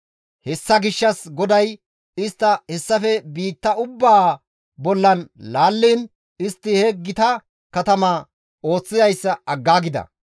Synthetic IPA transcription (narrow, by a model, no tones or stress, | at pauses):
hɛsːɐɡɪʃːɐsɡɔd̪ɐj | ɪst̪ːɐhɛsːɐfɛbiːt̪ːɐʊbːaː | bɔlːɐnlaːlːiːn | ɪst̪ːɪhɛɡɪt̪ɐ | kɐt̪ɐmaː | o̞ːt͡sːɪzɐjsːɐɐɡːaːɡɪd̪ɐ̰